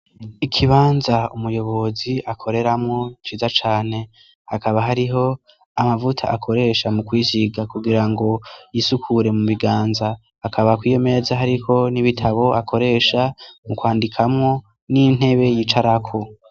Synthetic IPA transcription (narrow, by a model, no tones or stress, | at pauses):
ikʰiβaːnzaumujo̞βo̞ziakʰo̞ɾe̞ɾamŋo̞t͡ʃiːzat͡ʃaːne̞ | hakaβaɦaɾiɦo̞ | amavutʰa̰ʔakʰo̞ɾe̞ːʃamukwiːziɡakuɡiɾaŋɡo̞jisukʰuɾe̞muβiɡaːnza | akʰaβakwiːjo̞me̞ːzaɦaɾikʰo̞niβitʰaβo̞akʰo̞ɾe̞ːʃamukwaːndikʰamŋo̞ | nin̥he̞βe̞jiːt͡ʃaɾakʰo̞